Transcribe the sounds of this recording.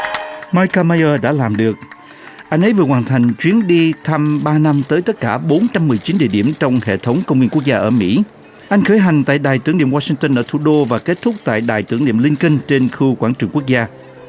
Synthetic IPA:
maː˧jka˧ma˧jəː˧ɗa̰ː˧˥laː˨˩mɗɨ˨˩ək̚ | ʔa˧jŋ̟ʔə˨˦jvɨ˨˩əhwaː˨˩nt̪ʰa˨˩jŋ̟t͡ɕwi˨˦ənɗi˧t̪ʰa˧mɓaː˧na˧mt̪əː˨˦jt̪ə˦˥t̚kaː˧˩ɓo˨˦nt͡ɕa˧mːɨ˨˩əjt͡ɕi˨˦nɗḭ˧˨əɗi˧˩əmt͡ɕɔ˧wŋ͡mhḛ˧˨t̪ʰə˨˦wŋ͡mkə˧wŋ͡mwi˧nku˦˥ək̚zaː˧ʔəː˧˩mḭ˧˥ | ʔa˧jŋ̟xəː˨˦jɦa˨˩jŋ̟t̪a̰ː˧˨jɗaː˨˩jt̪ɨ˧˩əŋɗi˧˨əmwaː˧si˧ŋt̪ə˧nʔəː˧˩t̪ʰu˧˦ɗo˧vaː˨˩ke˦˥t̚t̪ʰʊ˦˥k͡p̚t̪a̰ː˧˨jɗaː˨˩jt̪ɨ˧˩əŋɗḭ˧˨əmlï˧ŋki˧ŋ̟t͡ɕe˧nxu˧kwaː˧˩nt͡ɕɨ˨˩əŋku˦˥ək̚zaː˧

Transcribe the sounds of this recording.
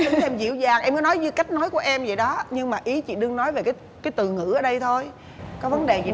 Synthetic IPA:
ɨ˨˦ʔɛ˧mzḭ˧˩əwzaː˨˩ŋʔɛ˧mkɔː˨˦nɔ˨˦jzɨ˧ka˦˥jk̚nɔ˨˦jku˧˩əʔɛ˧mzḭ˧˨jɗɔ˨˦ɲɨ˧ŋmaː˨˩ʔi˨˦t͡ɕḭ˧˨ɗɨ˧əŋnɔ˨˦jve˨˩kaː˨˦ | kaː˨˦jt̪ɨ˨˩ŋɨ̰˧˩ʔəː˨˩ɗə˧jt̪ʰo˧j | kɔ˨˦və˨˦nɗe˨˩zḭ˧˨

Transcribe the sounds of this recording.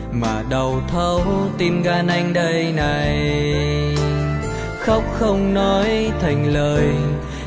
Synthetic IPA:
maː˨˩ɗə˨˩wt̪ʰə˧wt̪i˧mɣaː˧nʔa˧jŋ̟ɗə˧jna˨˩j | xə˦˥wk͡p̚xə˧wŋ͡mnɔ˨˦jt̪ʰa˨˩jŋ̟ləː˨˩j

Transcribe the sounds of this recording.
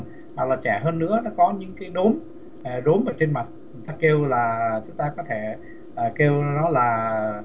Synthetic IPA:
ma˨˩k̚laː˨˩t͡ɕɛ˧˩ɦəː˧nːɨ̰˧˥ənɔ˨˦kɔ˨˦ɲɨ̰˧˥ŋkaː˨˦jɗo˨˦m˨˩ | ɗo˨˦mʔəː˧˩t͡ɕe˧nma˨˩t̚t͡ɕt͡ɕʊ˨˦ŋt̪aː˧ke˧wlaː˨˩t͡ɕʊ˨˦ŋ͡mt̪aː˧kɔ˨˦t̪ʰe˧˩ | ʔəː˨˩ke˧wnɔ˨˦laː˨˩

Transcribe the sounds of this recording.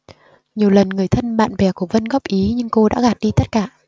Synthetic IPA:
ɲi˨˩əwlə˨˩nŋɨ˨˩əjt̪ʰə˧nɓa̰ː˧˨nvɛ˨˩ku˧˩əvə˧nɣɔ˦˥p̚ʔi˨˦ɲɨ˧ŋko˧ɗa̰ː˧˥ɣaː˨˩t̚ɗi˧t̪ə˦˥t̚kaː˧˩

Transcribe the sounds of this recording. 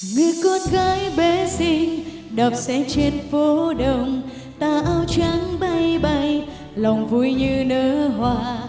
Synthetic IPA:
ŋi˨əkɔ˧nɣaː˨˦jɓe˨˧˦sï˧ŋ̟ | ɗə˨˩p̚sɛ̰˧˥t͡ɕe˧nfo˨˦ɗə˧˩wŋ͡m | t̪aː˧ʔaː˧wt͡ɕa˨˦ŋɓa˧jɓa˧j | la˨˩wŋ͡mvu˧˩jɲɨ˧nəː˧˦ɦwaː˧

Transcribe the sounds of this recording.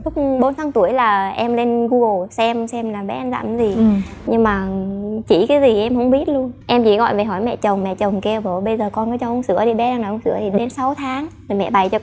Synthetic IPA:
t̪ʊ˦˥k͡p̚ɓo˨˦nt̪ʰaː˨˦ŋt̪u˧˩əjlaː˨˩ʔɛ˧mle˧nɣu˧ɣo˨˩sɛ˧msɛ˧mlaː˨˩ɓɛ˨˦ʔa˧jŋza̰ː˧˩˨mzi˨˩ɲɨ˧ŋmaː˨˩t͡ɕḭ˧˩kaː˨˦jzi˨˩ʔɛ˧mhə˧˥wŋ͡mɓi˦˥ət̚lu˧ənʔɛ˧mt͡ɕḭ˧˥ɣɔ̰˧˨jve˨˩ɦɔ˧˩jmɛ̰˧˨t͡ɕə˨˩wŋ͡mmɛ̰˧˨t͡ɕə˨˩wŋ͡mke˧wɓo˧˩ɓə˧jzəː˨˩kɔ˧nkɔ˨˦t͡ɕɔ˧ʔə˧˦ŋ͡msɨ̰˧˩˦əɗi˧˩ɓɛ˨˦a˧ŋna˨˩ʔə˧wŋ͡msɨ̰˧˨ət̪ʰi˨˩ɗe˨˦nsa˨˦wt̪ʰaː˨˦ŋ | a˨˩mɛ̰˧˨ɓa˨˩jt͡ɕɔ˧

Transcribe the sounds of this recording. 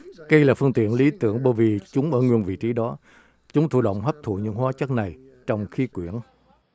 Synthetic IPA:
kə˧jlaː˨˩fɨ˧əŋt̪ḭ˧˨ənli˨˦t̪ɨ̰˧˩əŋɓəː˧˩jvi˨˩t͡ɕʊ˨˦ŋ͡mʔəː˧˩ŋwi˧˩ənvḭ˧˨t͡ɕi˨˦ɗɔ˨˦ | t͡ɕʊ˨˦ŋ͡mt̪ʰṵ˧˩ɗə̰˧˨wŋ͡mɦə˦˥p̚t̪ʰṵ˧˨ɲɨ̰˧˥ŋɦwaː˨˦t͡ɕə˦˥k̚na˨˩j | t͡ɕɔ˧wŋ͡mxi˨˦kwi˧˩˨ən

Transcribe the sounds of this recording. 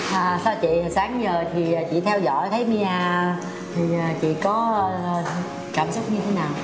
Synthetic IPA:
ʔəː˨˩saː˧t͡ɕḭ˧˨˩saː˨˦ŋzəː˨˩t̪ʰiː˨˩˨t͡ɕḭ˧˨t̪ʰɛ˧wzɔ̰˧˨jt̪ʰə˨˦jmi˧aː˧˩ | t̪ʰi˨˩əː˨˩t͡ɕḭ˧˨kɔː˨˦˨ | kaː˧˩msʊ˦˥k͡p̚ɲɨ˧t̪ʰe˨˦naː˨˩w

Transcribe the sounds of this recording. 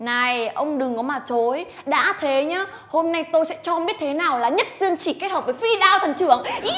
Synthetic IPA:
na˨˩jʔə˧wŋ͡mɗɨ˨˩ŋkɔ˨˦maː˨˩t͡ɕo˨˦j | ɗa̰ː˧˥t̪ʰe˨˦ɲaː˧˦ | ho˧mna˧jt̪o˧jsɛ̰˧˥t͡ɕɔ˧mɓi˦˥t̚t̪ʰe˨˦naː˨˩wlaː˨˩ɲə˦˥t̚zɨ˧əŋt͡ɕi˧˩ke˦˥t̚həː˨˩vəː˧˩jfi˧ɗaː˧wt̪ʰə˨˩nt͡ɕɨ˧˩əŋʔ

